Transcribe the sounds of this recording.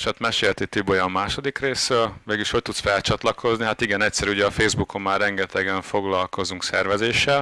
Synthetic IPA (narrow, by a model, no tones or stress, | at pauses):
ʃat̪mɛʃeːlt̪it̪ibojɒmmːaːʃo̞d̪ikreːsrøːlveːɡiʃho̞c̚t̪ut̪sfɛlt͡ʃɒt̪lɒkʰo̞zniɦat̪iɡɛnɛcsɛɾuɟɛɒfeːzbukʰo̞mːaːrːɛŋɡɛt̪ʰɛɡɛɱfo̞ɡlɒlko̞zuŋksɛrvɛzeːʃːɛl